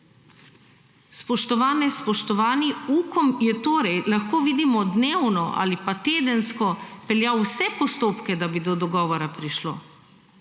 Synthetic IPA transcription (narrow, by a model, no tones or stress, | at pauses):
spɔʃt̪ɔʋaːnɛspɔʃt̪ɔʋaːniuːkɔmjɛt̪oːɾɛjlaxkoːʋiːd̪imɔd̪neːwnɔʔa̰lipat̪eːd̪ənskɔpɛljawsɛpɔst̪oːpkɛd̪abid̪ɔd̪ɔɡɔːʋɔɾapɾiʃlo̰ː